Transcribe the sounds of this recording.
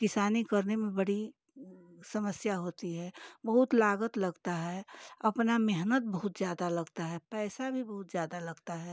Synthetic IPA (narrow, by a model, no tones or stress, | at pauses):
kɪsaːnikəɾnemẽbɐɽ̤i | sɐməsjaɦoːt̪iɦɛbɐɦʊt̪laːɡət̪ləɡt̪aɦɛɐpnamɛɦnət̪̚bəɦʊt̪zjaːd̪alɐɡt̪aɦɛpɛːsabʱibɐɦʊt̪zjaːd̪alɐɡt̪aɦɛ